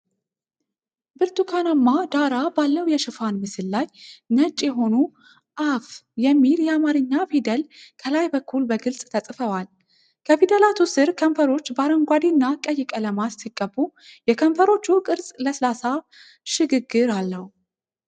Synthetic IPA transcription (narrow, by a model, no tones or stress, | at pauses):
bɨɾt̪ʰukʰanamːad̪aɾabalːəwujɛʃɪfanmɨsɨlːajnət͡ʃʼːjɛɦo̞nu | ʔafjɛmːiljɛamaɾɨɲːafid̪əlkʰəlajbəkʰːulbəɡɨlsʼt̪ʰəsʼfəwal | kʰəfid̪əlat̪ʰusɨɾkʰəmfəɾo̞t͡ʃːbaɾəŋɡʷad̪inːakʼəjːɪkʼələmat̪sikʼːəbːujɛkʰəmfəɾo̞t͡ʃːukʼɨɾsʼləsɨlasa | ʃɪɡɨɡɨɾalːəhu